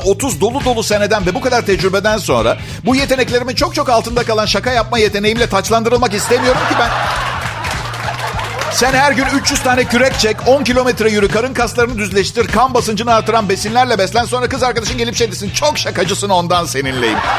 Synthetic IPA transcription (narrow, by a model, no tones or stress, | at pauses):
o̞t̪ʰuzd̪o̞lˠud̪o̞lˠuse̞ned̪ænvɛbukad̪aɾt̪ʰɛd͡ʒɾybed̪ænso̞̰nɾa̰ | buje̞t̪ʰe̞nɛclʲe̞ɾimint͡ʃʰo̞k̚t͡ʃʰo̞kalˠt̪ɯnd̪akalˠanʃakʰajap̚maje̞t̪ʰe̞nejimlʲɛt̪ʰat͡ʃlˠand̪ɯɾɯlˠmakist̪emijo̞ɾumcibæn | sænhæɾɟynyt͡ʃjyz̥t̪ʰaːnɛcʰyɾɛc̚t͡ʃʰɛconcilʲo̞mɛt̪ɾɛjyɾykʰaɾɯnkʰast̪lˠaɾɯnɯd̪yzlʲɛʃt̪iɾkʰambasɯnd͡ʒɯnɯaɾt̪ʰːɯɾanbe̞sinlʲæɾlʲɛbɛslʲænso̞nɾakɯzaɾkad̪aʃɯmɟelʲipʃejd̪isint͡ʃʰo̞kʃakad͡ʒɯsɯno̞nd̪anse̞ninlʲe̞jḭm